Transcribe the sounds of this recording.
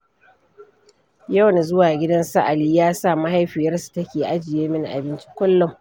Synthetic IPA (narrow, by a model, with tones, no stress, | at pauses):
ja˦˨wna˨zʊ˦waː˨ɡʲɪ˦dɐ˦nsɐ˦ʔa˨liː˦jaː˦saː˦˨ma˦ɦa˦jɸɪ˨jɐ˦rsu̥˨tɐ˦kʲeː˨ʔa˦d͡ʒɪ˨jeː˦mɪ˦n˨ʔa̰˨bɪ˦nt͡ʃi̥˦kʷʊ˦lːɔ˨ŋ